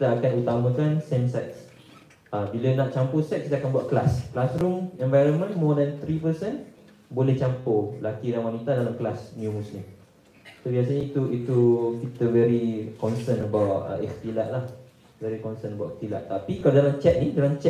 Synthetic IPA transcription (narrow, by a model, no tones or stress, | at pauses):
t̪əakanut̪amãkansemsat̪̚s | ʔabilənaʔt͡ʃamposɛt̪̚kit̪əakanbuaʔ̪̚klasklasɾʊmɛ̃ɱvajɾənmə̃nmɔdɛ̃nt̪ɾipəsən | bolɛht͡ʃampolakiɾanwanit̪adalamklasnjumusni | sobias̬aɲait̪uʔit̪ukit̪əvɛɾikɔnsənəbawtə̰ʔɛkt̪ilaʔlah | vɛɾikɔnsənəbawʔ̪ɛht̪ila̰ʔt̪ːapikaladalamt͡ʃɛt̪̚nĩdalamt͡ʃɛ